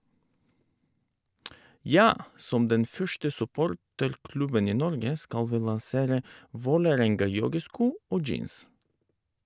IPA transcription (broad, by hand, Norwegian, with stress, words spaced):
ˈjɑː ˈsɔm ˈdɛn ˈfœʃtə sʉˈpoːɾtəɾˌklʉbən ˈiː ˈnɔɾɡə ˈskɑl ˈʋiː lɑnˈseːɾə ˈʋoːləˌɾɛŋɡɑˌjɔɡəˌskuː ˈoː ˈd͡ʒiːns